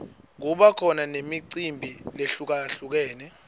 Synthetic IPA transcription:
ŋ̬uɓakʰɔnanemiǀimbʱileɬuk̬aɬuk̬ɛːnɛ

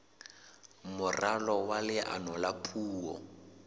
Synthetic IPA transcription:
mʊralɔwalɪʔa̰nɔlapʰuːɔ̰

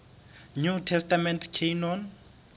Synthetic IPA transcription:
ɲutʰɛstamɛntʰkʰenɔn

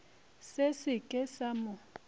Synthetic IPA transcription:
sesɪkʼɛsamʊ

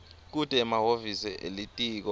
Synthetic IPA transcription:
k̬ud̥ʼʱɛmaɦovisɛʔelitʼiːk̬ɔ

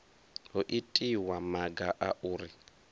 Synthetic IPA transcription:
oʔitʼiwamaɡaʔaʔuːɾi

